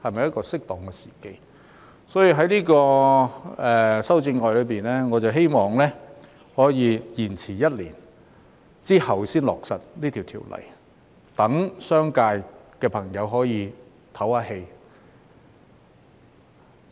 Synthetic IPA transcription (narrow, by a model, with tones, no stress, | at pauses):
hɐ˨jmɐ˨jɐ˥t̚kɔː˧sɪ˥k̚t̪ɔː˨˩ŋkɛː˧si̥ː˨˩ke˧j | sɔː˨˥jiː˨˩ɦɐ˨˥jniː˥kɔː˧ | ɛː˨sɐ˥wt͡sɪ˧ŋŋɔː˨jlɵ˨˧piː˨nlɛː˥ŋɔː˨˧t͡sɐ˨wɦe˥jmɔː˨˩ŋlɛː˥ | hɔː˨˥jiː˨˧jiː˨˩nt͡sʰiː˨˩jɐ˥t̚lḭː˨˩n | t͡siː˥hɐ˨wsiː˥nlɔː˨k̚sɐ˨t̚liː˥t̪ʰiː˨˩wt̪ʰḭ˨˩wlɐ̰˨˩j | t̪ɐ˨˥ŋsœː˥ŋkaː˧jkɛː˧pʰɐ˨˩ŋjɐ˨˧wɦɔː˨˥jiː˨˧ | t̪ʰɐ˨˥waː˨˧he˧j